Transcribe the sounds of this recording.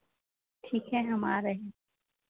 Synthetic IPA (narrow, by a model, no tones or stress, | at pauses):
ʈʰiːkɦɛɦɐma̰ːɾəɦẽ